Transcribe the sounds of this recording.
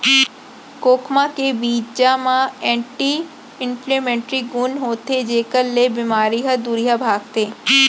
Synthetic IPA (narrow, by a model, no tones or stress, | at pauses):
koːkʰmãkebiːd͡ʒd͡ʒamãɛ̃ːɳʈiː | ɪ̃mplemẽːɳʈɾiɡʊnɦoːt̪ed͡ʒeːkəɾlebɪmaːɾiɦəd̪uːɾijabʱaːɡ̚t̪eː